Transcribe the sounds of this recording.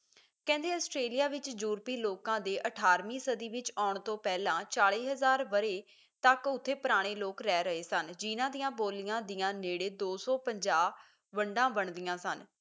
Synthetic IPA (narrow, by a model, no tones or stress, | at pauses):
kɛ̃ːnd̪eːəsʈɾeːlijaːʋɪt͡ʃd͡ʒuːɾpiːloːkãːd̪eːʔəʈʰaːɾmĩːsəd̪iːʋɪt͡ʃaːɳt̪õːpɛːlãːt͡ʃaːɭeːɦəzaːɾʋəɾeː | t̪əkʊt̪ʰːeːpəɾaːɽ̃eːloːkɾɛːɾəɦeːsənd͡ʒiːnãːd̪ɪjãːboːlɪjãːd̪ɪjãːneːɽeːd̪oːsɔːpəɲd͡ʒaː | ʋəɳɖãːbəɳd̪ɪjãːsən